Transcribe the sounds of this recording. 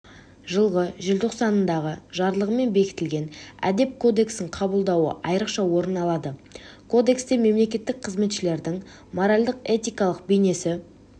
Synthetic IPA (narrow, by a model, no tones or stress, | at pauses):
ʒəlˠʁəʒɪlt̪ʰo̞qsɑnənd̪ɑʁəʒɑɾlˠəʁəme̞nbe̞kʲɪ̥t̪ɪlɡʲe̞næ̰d̪e̞p̚kʰo̞d̪e̞ksɪɴqʰɑbəlˠd̪ɑwə̰ɑjɾəqʃɑwo̞ɾənɑlˠɑd̪əkʰo̞d̪e̞kst̪e̞me̞mle̞kʲe̞t̪ːɪk̚qʰəzme̞t̪ʃɪle̞ɾd̪ɪŋ | mo̞ɾalʲd̪əqe̞t̪ijkɑlˠəq̚bejne̞sɪ